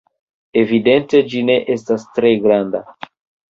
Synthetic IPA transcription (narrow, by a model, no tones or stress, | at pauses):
e̞vide̞nte̞d͡ʒine̞ʔe̞stastɾe̞ɡɾanda